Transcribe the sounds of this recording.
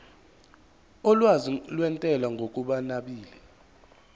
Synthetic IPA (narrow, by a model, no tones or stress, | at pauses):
ɔlwazilwɛntʼɛlwaŋɡʱokʼuɓanaɓiːlɛ